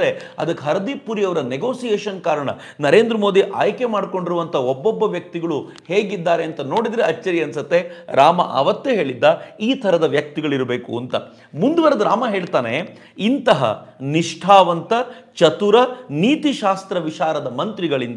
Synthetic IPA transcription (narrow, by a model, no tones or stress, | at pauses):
ɾe | ɐ̰d̪ɐkːɦɐɾɐd̪ipuɾijɐʋɐɾɐneɡo̞ːsijeːʃɐnkaːɾɐɳɐ̰ | nɐɾe̞ːnd̪ɾɐmo̞ːd̪iʔa̰ːjke̞maːɖkoɳɖiɾuʋɐnt̪ʰɐɔbːɔbːɐʋjɐk̚t̪iɡɐɭu | he̞ːɡid̪ːaːɾeɐnt̪ɐno̞ːɽid̪ɾeɐt͡ʃːɐɾiɐnsɐt̪ːe̞ɾaːmɐ̰ʔɐ̰ʋɐt̪ːeɦe̞ːɭid̪ːɐiːt̪ʰɐɾɐd̪ɐʋjɐk̚t̪iɡɐɭiɾbe̞ːkuɐnt̪ɐ | mund̪uʋɐɾɐd̪uɾaːmɐɦe̞ːɭt̪aːne | int̪ɐɦɐ̰niʂʈʰaːʋɐnt̪ɐt͡ʃɐt̪uɾɐniːt̪iʃaːst̪ɾɐʋiʃaːɾɐd̪ɐmɐnt̪ɾiɡɐɭind̪